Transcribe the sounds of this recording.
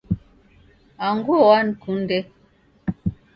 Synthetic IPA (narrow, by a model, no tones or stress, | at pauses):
aŋɡuwan̩kunde